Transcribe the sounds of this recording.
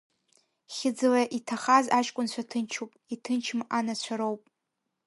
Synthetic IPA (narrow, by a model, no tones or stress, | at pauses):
χʲɪd͡zɨlaʔitʰaχazaʃʼkʷʼʊnt͡ɕʷʰatʰɨnt͡ʃʰupʼitʰɨnt͡ʃʰɨmanat͡ɕʷʰaɾowpʼ